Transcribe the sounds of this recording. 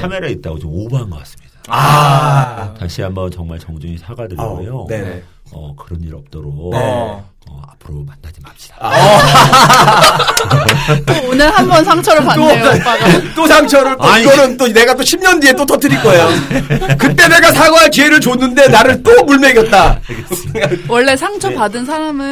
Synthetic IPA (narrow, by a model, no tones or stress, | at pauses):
kʰameɾait̚t͈a̰ɡot͡ɕomobaɦanɡʌk͈as͈ɯ̥mɲid̥aa | taɕʰiambʌnt͡ɕʌŋmaɭt͡ɕʌŋd͡ʑuŋisʰaɡadɯujonene | ʌ̰kɯɾʌniɾʌp̚t͈ʌɾon | ʌ̰apʰɯɾomanːad͡ʑimaɕ͈i̥d̥ḁ | oonɯɭhambʌnsʰaŋt͡ɕʰʌɾɯpatop͈aɡt͈osʰaŋt͡ɕʰʌɾɯɭt͈ʰonɯnt͈one̞ɡat͈oɕʰimɲʌndie̞t͈otʰʌt͈ʰɯɾik͈ʌejokɯt͈e̞ne̞ɡasʰaɡʌɦat͡ɕieɾɯɭt͡ɕonːɯnde̞naɾɯɭt͈omuɭme̞ɡjʌt̚t͈a | ɡwʌɭːe̞sʰaŋt͡ɕʰʌpadɯns̬ʰaɾamɯ